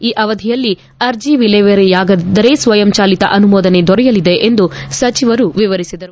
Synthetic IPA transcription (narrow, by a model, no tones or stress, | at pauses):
iːʔɐʋɐd̪ʱijɐlːi | ɐɾd͡ʒiʋileːʋeɾjaːɡɐd̪ɐɾeːsʋɐjɐmt͡ʃaːlit̪ɐ̰ʔɐnumɔːd̪ɐne̞d̪ɔɾɛjɐlid̪eʔend̪usɐt͡ʃiʋɐɾuʋiʋɐɾisid̪ɐɾu